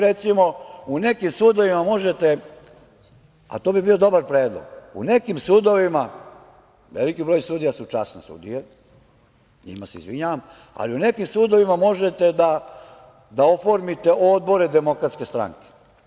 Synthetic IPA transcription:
ɾet̪simo̞une̞kimsuːd̪o̞ʋimamo̞ʒet̪e | a̰t̪obibiːo̞d̪o̞baɾpɾeːd̪lˠo̰ɡ̥ṵne̞kimsuːd̪o̞ʋima | ʋelikibɾoːjsud̪ijasut͡ʃasnesṵd̪ije | ɲḭmaseḭzʋiɲaːʋam | a̰liune̞kimsuːd̪o̞ʋimamo̞ʒet̪ed̪a | d̪aofoɾmit̪e̞ʔod̪̚bo̞ɾed̪emo̞kɾat̪ske̞st̪ɾa̰ŋke̥

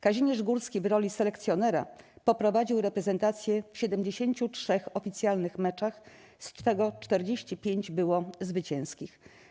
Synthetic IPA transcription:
kaʑiɲʲɛʐɡuɾskʲivɾɔlʲisɛlɛkt̪sʲjɔnɛɾa̰pɔpɾɔvad͡ʑiwɾɛpɾɛzɛnt̪at̪sʲjɛfɕɛd̪ɛmd͡ʑeɕeɲt͡ɕutʂɛxɔfʲit̪sʲjalnɘxmɛt͡ʂax | st̪ɛɡɔt͡ʂt̪ɛɾd͡ʑeɕt͡ɕipʲjeɲd͡ʑbɘwɔzvɘt͡ɕɛ̃w̃skʲix

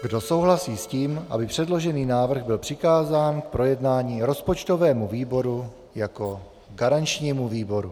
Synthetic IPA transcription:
ɡdo̞so̞wɦlasiːsciːmʔa̰bɪpr̥ɛdlo̞ʒɛniːnaːvr̩ɣbɪlpr̥ɪkaːzaːnk̚pɾo̞jɛdnaːɲiːɾo̞spot͡ʃt̪o̞vɛːmuviːbo̞ɾu | jako̞ | ɡaɾant͡ʃɲiːmuviːbo̞ɾu

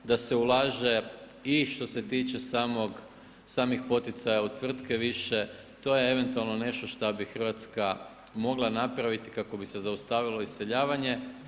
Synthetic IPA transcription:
d̪ase̞ulˠaːʒe̞ | iʃt̪o̞set̪iːt͡ʃe̞saːmoɡ | saːmixpo̞t̪it̪sajaut̪ʋr̩t̪keʋiʃe | t̪o̞ːjee̞ʋe̞nt̪ualˠno̞ne̞ʃt̪o̞ʃt̪abixr̩ʋat̪skamo̞ɡlˠanapɾaʋit̪i̥kako̞bisezaust̪aʋilo̞isseʎaːʋaɲe̞

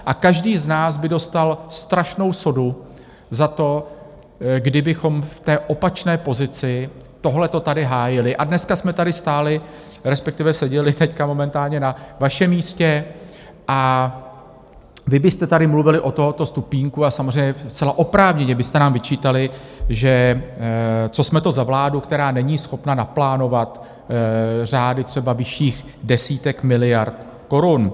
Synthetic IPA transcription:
ʔakaʒdiːznaːsbɪdo̞st̪alst̪ɾaʃno̞wso̞du | zat̪o̞ | ɡdɪbɪxo̞mft̪ɛːʔo̞pat͡ʃnɛːpo̞zɪt͡sɪ | t̪o̞ɦlɛt̪o̞t̪adɪɦaːjɪlɪʔadnɛskasmɛt̪adɪst̪aːlɪ | ɾɛspɛkt̪ɪvɛsɛɟɛlɪt̪ɛckamo̞mɛnt̪aːlɲɛnavaʃɛmiːscɛ | ʔa | vɪbɪst̪ɛt̪adɪmluvɪlɪʔo̞t̪o̞ɦot̪o̞st̪upiːŋkuasamozr̝ɛjɲɛst͡sɛlaʔo̞pɾaːvɲɛɲɛbɪst̪ɛnaːmvɪt͡ʃiːt̪alɪʒɛ | t͡so̞smɛt̪o̞zavlaːdukt̪ɛɾaːnɛɲiːsxo̞pnanaplaːno̞vat̪ | r̝aːdɪt̪r̝̥ɛbavɪʃiːx | dɛsiːt̪ɛkmɪlɪjaɾt̪ | ko̞ɾun

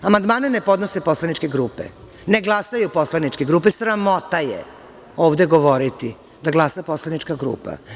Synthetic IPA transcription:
amand̪maːnenepo̞d̪nose̞po̞slanit͡ʃkeɡɾuːpḛ | neɡlˠasajupo̞slanit͡ʃkeɡɾuːpesɾamo̞t̪ajḛ | oːʋd̪e̞ɡo̞ʋo̞ɾit̪i | d̪aɡlˠasaposlˠanit͡ʃkaɡɾṵːpa̰

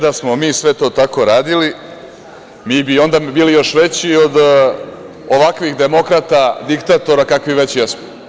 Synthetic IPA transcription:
d̪asmo̞miːsʋe̞t̪o̞ːt̪ako̞ɾaːd̪ili | miːbio̞nd̪abiːlijo̞ʃʋe̞t͡ɕiod̪ | oʋakʋixd̪e̞mo̞kɾat̪ad̪ikt̪at̪o̞ɾakakʋiʋe̞t͡ɕjesmo

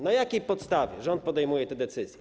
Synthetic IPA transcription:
najakʲejpɔt̪st̪avʲjɛʐɛɔnt̪̚pɔd̪ɛjmujɛt̪ɛd̪ɛt̪sɘzʲjɛ

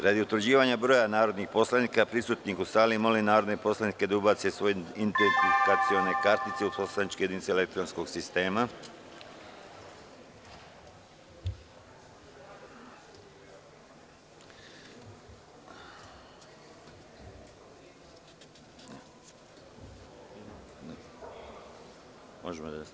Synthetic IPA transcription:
ɾad̪iut̪ʋɾd͡ʑiːʋaɲabɾo̞ːjanaːɾo̞d̪nixpo̞slaniːkapɾisut̪nikusaːlimo̞linaːɾo̞d̪nepo̞slanike̞d̪aubat̪sesʋo̞jeint̪enfikat̪sio̞ne̞kaɾt̪nit̪seuposlanit͡ʃkejed̪init̪selekt̪ɾonskoɡsist̪e̞ːma | mo̰ʒemod̪a

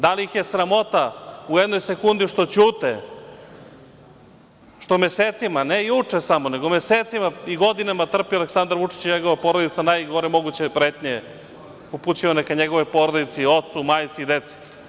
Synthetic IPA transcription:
d̪alijixje̞sɾamo̞t̪aujed̪nojsekund̪iʃt̪o̞t͡ɕuːt̪e | ʃt̪omeseːt̪simanejut͡ʂesamone̞ɡomeseːt̪simaiɡo̞d̪inamat̪r̩pioaleksand̪aɾʋut͡ʂi̥t͡ɕiɲeɡoʋapoɾod̪it̪sanajɡoɾemo̞ɡut͡ɕepɾeːt̪ɲe | uput͡ɕiʋanakaɲeɡo̞ʋojpo̞ɾod̪it̪sio̞t̪sumajt̪siid̪et̪si̥

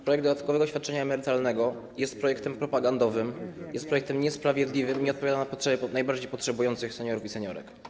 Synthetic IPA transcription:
pɾɔjɛɡ̚d̪ɔd̪at̪̚kɔvɛɡɔɕfʲat̪̚t͡ʂɛɲaɛmɛɾɘt̪alnɛɡɔ | jɛst̪̚pɾɔjɛkt̪ɛmpɾɔpaɡand̪ɔvɘmjɛst̪pɾɔjɛkt̪ɛmɲɛspɾavʲjɛd̪lʲivɘmiɲɛɔt̪̚pɔvjad̪anapɔtʂɛbʲɛnajbaɾd͡ʑejpɔtʂɛbujɔnt̪sɘxsɛɲɔɾufisɛɲɔ̰ɾɛ̰k

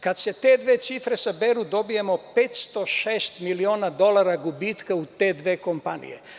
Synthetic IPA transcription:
kad̪se̞t̪e̞d̪ʋet̪sifɾesabeɾud̪o̞bijemopet̪st̪o̞ʃeːst̪milioːnad̪o̞lˠaɾaɡubiːt̪kaut̪eːd̪ʋeːkompanḭjḛ

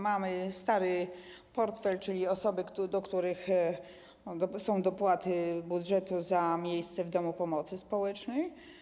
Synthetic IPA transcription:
mamɘst̪aɾɘ | pɔɾt̪fɛlt͡ʂɘlʲiɔsɔbɘkd̪ɔkt̪uɾɘx | sɔ̃w̃d̪ɔpwat̪ɘbud̪ʐɛt̪uzamʲjejst̪sɛvd̪ɔmupɔmɔt̪sɘspɔwɛt͡ʂnɛj

